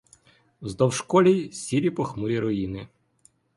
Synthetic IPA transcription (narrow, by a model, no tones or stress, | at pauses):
zd̪ɔwʃkɔlʲijsʲiɾʲipɔxmuɾʲiɾɔjinɪ